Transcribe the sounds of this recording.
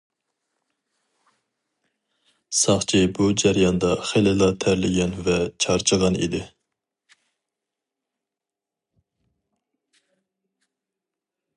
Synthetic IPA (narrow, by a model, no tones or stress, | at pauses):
sɑχt͡ʃʰibud͡ʒæɾjɑnd̪ɑχelɪlˠɑt̪ʰæɾlɪɡʲɛnvɛt͡ʃʰɑɾt͡ʃʰəʁɑnḭd̪ɪ